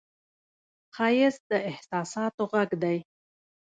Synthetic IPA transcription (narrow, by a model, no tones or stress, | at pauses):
qɑjɪzd̪əɪhsɑsɑt̪oɣaɡd̪aj